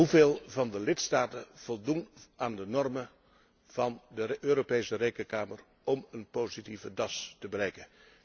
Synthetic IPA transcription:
ɦuveːlˠvɑndəlɪtstaːtəv̥ɔlˠdunʔaːndənɔrmə | v̥ɑndəʔøːɾopejsərejkəkaːmər | ɔmənpoːzitivədɑstəbəɾɛjkən

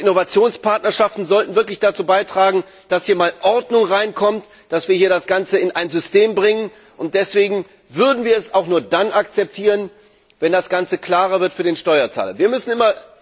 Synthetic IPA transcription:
ʔɪnovat͡sjoːnspaɐtnɐʃaftn̩zɔltn̩vɪɐklɪçd̥at͡suːbaɪtʁ̥aːɡŋ̩ | d̥ashiːɐmaːlʔɔɐdnʊŋʁaɪnkʰɔmt | d̥asv̥iːɐhiːɐɾdasɡ̥ant͡səɪnʔaɪnzʏsteːmbʁɪŋən | ʔʊnt̚d̥ɛsv̥eːɡŋ̩ | vʏɐdn̩viːɐɛsaʊxnuːɐdanʔak̚t͡sɛp̚tʰiːʁən | vɛndasɡ̥ant͡səkl̥aːʁɐvɪɐtfyːɐdeːnʃtɔʏɐt͡sa̰ːlɐ̰viːɐmʏsn̩ɪmɐ

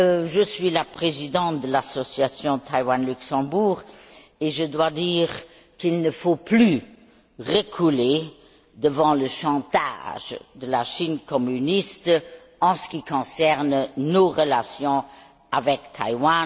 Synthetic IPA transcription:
ʒəsɥilapχezid̪ɑ̃t̪̚d̪əlasɔsjasjɔ̃t̪ʰajwanlyksɑ̃buːʁ | eʒəd̪wad̪iːʁ | kilnəfoply | ʁəkʰule | d̪əvɑ̃ləʃɑ̃t̪a̰ʒd̪əlaʃinkɔmynist̪ | ɑ̃sə̥kikɔ̃sɛʁnnoʁəlasjɔ̃ | avɛkt̪ʰa̰jwa

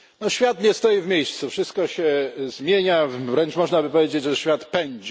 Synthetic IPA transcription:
nɔɕfʲjat̪ɲɛst̪ɔjivmʲejst̪sufʂɘst̪̚kɔɕɛzmʲjeɲavɾɛnt͡ʂmɔʐnabɘpɔvʲjed͡ʑed͡ʑʐɛɕfʲjat̪pɛɲd͡ʑ

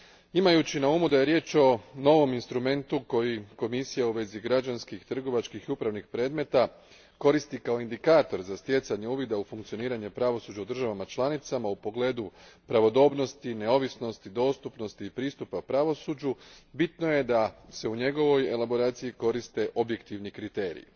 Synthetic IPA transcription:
imajut͡ɕinauːmud̪aje̞ɾje̞ːt͡ʃo̞no̞ʋo̞minst̪ɾume̞nt̪uko̞jiko̞misijauʋe̞ziɡɾad͡ʑanskixt̪r̩ɡo̞ʋat͡ʃkixiupɾaʋnixpɾe̞ːd̪me̞t̪a | ko̞ɾist̪ikao̞ind̪ikaːt̪o̞ɾzast̪je̞t̪saɲe̞uːʋid̪aufuŋkt̪sio̞niːɾaɲe̞pɾaʋo̞suːd͡ʑaud̪r̩ʒaʋamat͡ʃlˠanit̪samaupo̞ɡle̞ːd̪upɾaʋo̞d̪o̞ːbno̞st̪ine̞o̞ʋisno̞st̪id̪o̞ːst̪upno̞st̪iːpɾiːst̪upaupɾaʋo̞sud͡ʑubit̪no̞je̞d̪ase̞uɲe̞ɡo̞ʋo̞je̞labo̞ɾaːt̪sijiko̞ɾist̪e̞ʔo̞bje̞kt̪iʋnikɾit̪e̞ːɾḭ

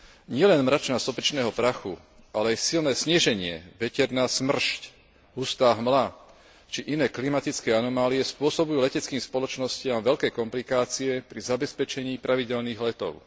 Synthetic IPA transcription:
ɲɪɛlɛnmɾat͡ʃnasɔpɛt͡ʃnɛːɦɔpɾaxṵ | ʔalɛajsilnɛːsɲɪɛʒɛɲɪɛ̰ʋɛcɛɾnaːsmr̩ʃc | ɦust̪aːɦmla | t͡ʃiʔinɛːklimat̪it͡skɛːanɔmaːliɛspʊɔsɔbujuːlɛcɛt͡skiːmspɔlɔt͡ʃnɔscɪamʋɛʎkɛkɔmplikaːt͡siɛpɾizabɛspɛt͡ʃɛɲiːpɾaʋiɟɛlniːɣlɛt̪ɔ̰ʊ

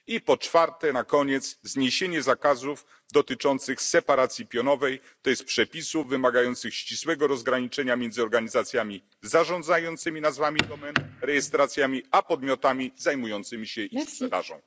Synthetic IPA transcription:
ipɔt͡ʂfaɾt̪ɛnakɔɲɛt̪szɲeɕeɲɛzakazuf | d̪ɔt̪ɘt͡ʂɔnt̪sɘxsɛpaɾat̪sʲjipʲjɔnɔvɛj | t̪ɔjɛst̪pʂɛpʲisuvːɘmaɡajɔnt̪sɘxɕt͡ɕiswɛɡɔɾɔzɡɾaɲit͡ʂɛɲamʲjɛnd̪zɨɔɾɡaɲizat̪sʲjamʲi | zaʐɔ̃nd̪zajɔnt̪sɘmʲinazvamʲid̪ɔmɛnɾɛjɛst̪ɾat̪sʲjamʲiapɔd̪̚mʲjɔt̪amʲizajmujɔnt̪sɘmʲiɕɛʔipʂɛd̪a̰ʐɔ̰̃w̃

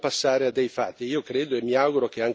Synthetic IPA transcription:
pasːaːɾead̪ːejfat̪ːiiːokɾeːd̪oemːiaɡuɾok̟eaŋ

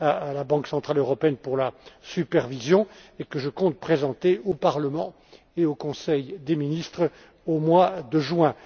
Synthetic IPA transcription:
aːlabɑ̃ksɑ̃t̪χaløʁɔpeɛnpuʁlasypɛʁvizjɔ̃ekəʒəkɔ̃t̪̚pχezɑ̃t̪eopaʁləmɑ̃ | eokɔ̃sɛjd̪eminist̪χ | omwad̪əʒɥɛ̃

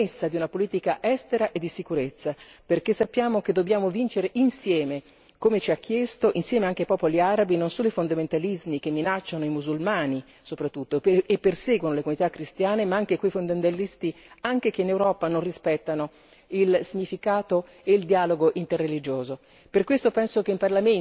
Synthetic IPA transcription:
esːad̪iunapoliːt̪ikaʔɛst̪eɾaʔed̪ːisikuɾet̪sːa | perk̟esːapːjaːmok̟ed̪ːobːjaːmovint͡ʃeɾeʔinsjɛːme | komet͡ʃiak̟ʰːjɛst̪oʔinsjɛːmeaŋk̟eajpɔːpoliaːɾabinonsoːnoifond̪ament̪alizmik̟emːinat͡ʃːanoimuzulmaːni | sopɾat̪ːut̪ːoepːersɛːɡwonolekunit̪akːɾist̪jaːnemaaŋk̟ekwejfond̪amẽnt̪alist̪iaŋk̟ek̟einewɾɔːpanonrispɛt̪ːano | ilsiɲːifikaːt̪o | eild̪iaːloɡoʔint̪erːelid͡ʒoːzo | perkwest̪opɛnsokeimparlame

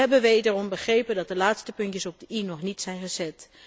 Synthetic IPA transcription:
ɛbənʋedərɔmbəχrejpəndɑt̚dəlaːtstəpɵntjəsɔb̚dəinɔχnitsɛjnχəzɛt

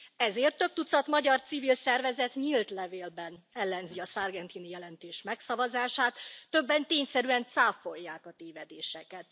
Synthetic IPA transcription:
ɛzeːrt̪ːø̞k̚t̪ut̪sɒt̪mɒɟɒrt̪sivilsɛrvɛzɛt̪ɲilt̪lɛveːlbɛnɛlːɛnziɒsarɡɛnt̪inijɛlɛnt̪eːʃmɛksɒvɒzaːʃaːt̪ːø̞bːɛnt̪eːɲsɛɾyɛnt̪saːfo̞jːaːkɒt̪eːvɛd̪eːʃɛkɛt̪

